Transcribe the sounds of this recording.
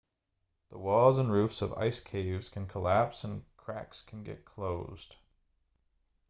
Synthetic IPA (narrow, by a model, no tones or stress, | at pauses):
ðəwɔlˠzə̃nɹʉfsʌva̰ɪskʰeɪvz̥kʰɨ̃nkʰəlæpsə̃nkʰɹ̥ækskʰn̩ɡɛ̰t̚kʰl̥oʊz̥d̥